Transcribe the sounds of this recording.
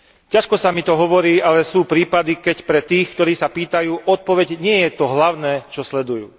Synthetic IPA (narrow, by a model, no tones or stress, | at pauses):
caʃkɔsamit̪ɔɦɔʋɔɾiːʔalɛsuːpɾiːpad̪ikɛcpɾɛt̪iːxkt̪ɔɾiːsapiːt̪ajuːʔɔt̪̚pɔʋɛɟɲɪɛjɛt̪ɔɦlaʊnɛːt͡ʃɔslɛd̪ujṵː